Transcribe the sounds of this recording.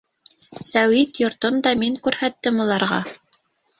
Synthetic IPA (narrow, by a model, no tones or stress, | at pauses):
sæwit̪jŏɾt̪ɤmd̪ɑmiŋkʉɾhæt̪ːɘmulˠɑɾʁɑ